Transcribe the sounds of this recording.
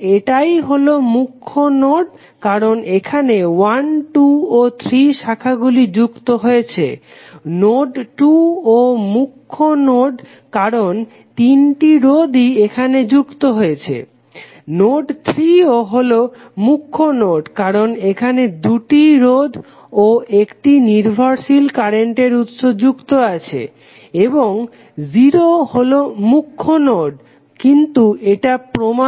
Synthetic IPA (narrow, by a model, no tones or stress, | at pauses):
eʈajɦolomukʰːonoɖ | kaɾonekʰanewanʈuot̪ʰɾiʃakʰaɡulid͡ʑukt̪oɦojet͡ɕʰḛ | noɖʈuomukʰːonoɖ | kaɾon | t̪inʈiɾod̪ʱiekʰaned͡ʑukt̪oɦojet͡ɕʰḛ | noɖt̪ʰɾioɦolo | mukʰːonoɖkaɾonekʰaned̪uʈiɾod̪ʱ | oekʈiniɾbʱaɾʃilkaɾeɳʈeɾut̪ʃod͡ʑukt̪oat͡ɕʰḛ | eboŋ | ziɾoholomukʰːonoɖ | kint̪ueʈapɾoma